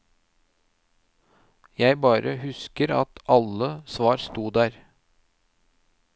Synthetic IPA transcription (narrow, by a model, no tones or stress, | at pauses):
jæɪbɑːɾəhʉskəɾɑ̰t̪ʰɑləsʋɑːɾst̪uːd̪æːɾ